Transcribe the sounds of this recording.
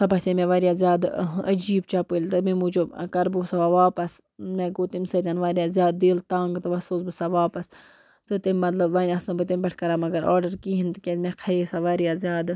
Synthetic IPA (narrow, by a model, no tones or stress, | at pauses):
sɐbɐsemẽʋaːɾʲjaːzʲjaːd̪ɐ̰d͡ʒiːbt͡ʃapɨlʲt̪ɨmimut͡ʃokɐɾbɨsaʋaːʋaːpɐs | mẽɡoːt̪imsɐt̪ʲanʋaːɾijaːzjaːd̪d̪eːlt̪aːŋɡt̪ɨʋɐsoːsbɨsaʋaːpɐs | t̪ɨt̪imʲmɐt̪lɐbʋanʲaːsɨbɨt̪imʲbɐʈʰkɐɾaːmɐɡɐɾa̰ːɾɖɐɾkiɦint̪ɨkʲemẽkʰɐeːsaʋaːɾjaːzʲjaːd̪